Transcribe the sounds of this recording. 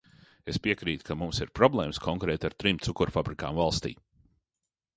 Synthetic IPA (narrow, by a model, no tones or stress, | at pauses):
espiɛkɾiːt̪kʰamumsiɾpɾɔblˠɛːmskʰɔŋkɾɛːt̪aɾt̪ɾimt̪sukuɾfabɾika̰ːmvalˠst̪ḭː